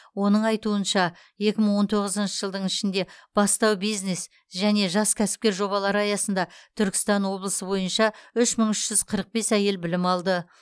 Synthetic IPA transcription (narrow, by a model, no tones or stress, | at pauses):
wo̞nəɴɑjt̪uənʃɑ | je̞kʲɪməɴwo̞nt̪ʰo̞ʁəzənʃəʒəlˠd̪əɴɪʃɪnd̪e̞b̥ɑst̪ɑwbijzne̞s | ʒæne̞ʒɑskʲʰæsɪ̥p̚kʲe̞ɾʒo̞βɑlˠɑɾəɑjɑsənd̪ɑt̪ʰʏɾkʲɪ̥st̪ɑnwo̞blˠəsəbo̞jənʃɑʏʃməɴʏʃʒ̥ʏz̥qʰəɾəq̚be̞sæje̞lbɪlɪmɑlˠd̪ə